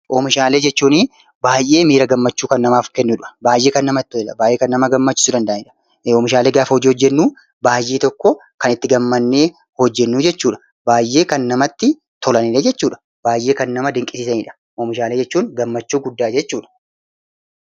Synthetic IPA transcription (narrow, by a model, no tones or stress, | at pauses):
ʔoːmɪʃaːle̞ːd͡ʒɛt͡ʃːuːnɪ | baːjʔe̞ːmiːɾɐɡɐmːɐt͡ʃːuːkɐnːɐmaːfkɛnːʊᶑʊɐ̥baːjʔe̞ːkɐnːɐmɐɪt̪ːɔlɛlɐ̰baːjʔeːkɐnːɐmɐɡɐmːɐt͡ʃːɪ̥sud̪ɐnd̪ɐʔɐnɪᶑɐ | ɔːmɪʃaːle̞ːɡaːfɐhɔd͡ʒiːhɔd͡ʒːɛnːuː | baːjʔeːt̪ɔkːɔkɐnɪt̪ːɪɡɐmːɐnːe̞ː | hɔd͡ʒːɛnːuːd͡ʒɛt͡ʃːuːᶑɐ | baːjʔːe̞ːkɐnːɐmɐt̪ːɪ | t̪ʰɔlɐniled͡ʒɛt͡ʃːuːᶑɐ̥ | b̥aːjʔːe̞ːkɐnːɐmɐd̪ɪŋkʼɪsɪːsɐniːᶑɐ̥ | ʔɔːmɪʃaːleːd͡ʒɛt͡ʃːuːŋɡɐmːɐt͡ʃːuːɡʊd̪ːaːd͡ʒɛt͡ʃːuːᶑɐ̥